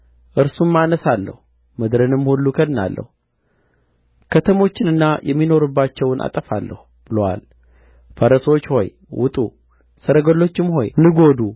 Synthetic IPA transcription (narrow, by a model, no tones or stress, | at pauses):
ʔɨɾsumːanəsalːə̰hu | mɨd̪ɾɨnɨmhulːukʰəd̪na̰lːə̰hu | kʰət̪ʰəmo̞t͡ʃːɪnɨnːajʔɛmːino̞ɾɨbːat͡ʃːɛwnʔa̰t̪ʼəfalːə̰hu | b̥ɨlowa̰l | fəɾəso̞t͡ʃːho̞̰j | wʊ̰t̪ʼu | səɾəɡəlːo̞t͡ʃːɪmho̞jnɨɡo̞d̪u